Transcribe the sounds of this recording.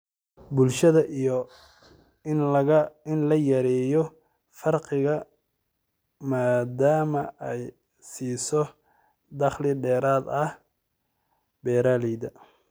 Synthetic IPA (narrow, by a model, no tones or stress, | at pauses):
bʊlʃɐðɐʔijɔ | nɐɣɐɪnlɐjɐɾɛːjɔ | fɐrqɪɣɐ | maːd̪aːmɐɛj | siːsɔ | d̪ɑχlɪɖɛːɾaːd̪ɐh | bɛːɾaːlɛjd̪ɐ